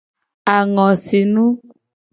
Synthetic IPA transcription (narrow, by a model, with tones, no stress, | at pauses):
a˨ŋɔ̃˨si˨nũ˦